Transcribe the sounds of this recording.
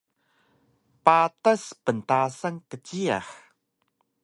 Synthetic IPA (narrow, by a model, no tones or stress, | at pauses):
patəspəntasəŋkət͡ɕia̰x